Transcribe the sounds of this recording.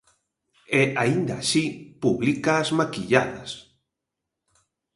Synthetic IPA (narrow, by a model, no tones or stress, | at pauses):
ɛʔaind̪aːsipuβlikaːzmakiʎaðɐs